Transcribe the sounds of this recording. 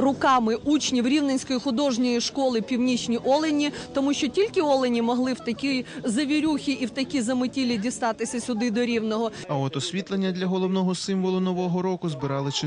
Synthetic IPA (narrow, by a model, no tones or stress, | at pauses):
rʊkɑmɪut͡ʃnʲiwɾʲiwnenʲsʲkɔjixʊd̪ɔʒnʲɔjiʃkɔlˠɪpʲiwnʲit͡ʃnʲiʔɔlˠenʲit̪ɔmuʃʲt͡ʃɔtʲilʲkɪɔlˠenʲimɔɦlˠɪwt̪ɐkʲijzɐʋʲiɾʲuxʲiʔiwt̪ɐkʲizɐmɪtʲilʲidʲist̪ɑt̪ɪsʲɐsʲʊd̪ɪd̪ɔɾʲiwnɔɦɔ | ɐɔt̪ɔsʲʋʲit̪lˠenʲːɐd̪lʲɐɦɔlˠɔwnɔɦɔsɪmʋɔlˠʊnɔʋɔɦɔɾɔkʊzbɪɾɑlˠɪt͡ʃɪ